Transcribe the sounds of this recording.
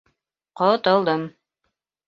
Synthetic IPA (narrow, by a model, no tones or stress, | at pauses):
qɒt̪ɤ̆lˠd̪ɤm